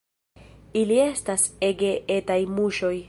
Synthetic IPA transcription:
ilie̞stase̞ɡe̞ʔetajmuʃo̞j

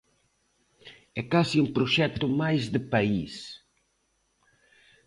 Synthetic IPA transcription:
ɛkasiumpɾʊʃɛt̪ʊmajzd̪əpais

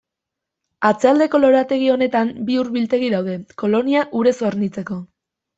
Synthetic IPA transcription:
at͡seald̪e̞ko̞lo̞ɾat̪e̞ɣ̞io̞ne̞t̪ambiuɾβilt̪e̞ɣiðawðe̞ko̞lo̞niaʔuɾe̞sooɾnit͡se̞ko̞

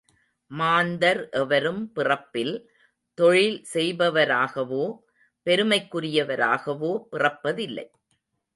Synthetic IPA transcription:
maːnd̪ɐɾʔɛʋɐɾɯmpɪrɐpːɪl | t̪ɔɻɪlsɛjbɐʋɐɾaːɣɐʋoː | pɛɾɯmɐɪkːʊɾɪjɐʋɐɾa̰ːɣɐʋoːpɪrɐpːɐðɪlːɐ̰ɪ

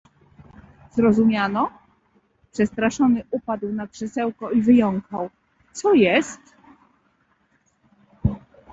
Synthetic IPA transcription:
z̥ɾɔzumʲjanɔ | pʂɛst̪ɾaʂɔnɘʔupad̪wnakʂɛsɛwkɔivɘjɔŋkaw | t̪sɔjɛst̪

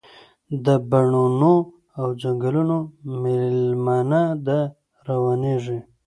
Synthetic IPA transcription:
d̪əbaɳono | awd͡ʒaŋɡəlunomɪlmɑnad̪ə | ɾawɑneʐi

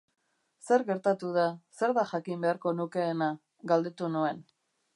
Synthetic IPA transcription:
se̞ɾɣe̞ɾt̪at̪uð̞ase̞ɾðaʝakimbe̞aɾko̞nuke̞ːna | ɡald̪e̞t̪unue̞n

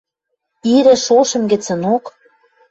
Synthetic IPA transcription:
iɾɘ̆ʃoʃə̆mɡɘ̆t͡sə̆nok

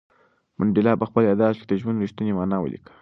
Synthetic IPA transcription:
mʊɳɖɪlɑpəxpəljɑd̪ɑʃked̪əʒmənɾiʃt̪unemɑnɑwə̰lḭkə̥

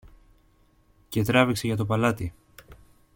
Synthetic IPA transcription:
ce̞t̪ɾɐvikse̞ʝɐt̪o̞pɐlɐt̪i

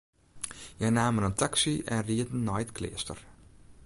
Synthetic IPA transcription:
jɛjnaːmənəntaksiʔɛ̰nriədən̩ːɔjtkʰlɪ̰ːstə̰r

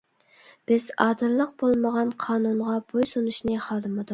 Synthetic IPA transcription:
b̥ɪzɑːd̪ɨɾlˠːəq̚b̥olˠməʁɑnqʰɑːnunʁɑbojsunuʃnɨχɑːd̪ɨmɨd̪u

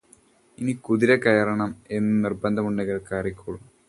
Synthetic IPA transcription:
inikuðiɾɐkɐjɐrɐɳɐme̞nːɨnirbɐnd̪ʱɐmuɳɖɐɣɐɭkaːrikʲːuːɭum

